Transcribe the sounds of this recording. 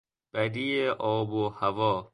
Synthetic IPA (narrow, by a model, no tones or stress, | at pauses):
b̥æd̪ieʔɔːbohavɔː